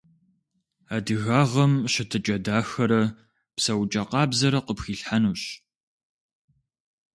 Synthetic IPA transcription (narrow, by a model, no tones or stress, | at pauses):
aːdɨɣaːʁɐmɕɐtʰɨt͡ʃʼɐdaːxɐɾɐ | psɐwt͡ʃʼɐqɑːbzɐɾɐqəpxiːɬħanuːɕ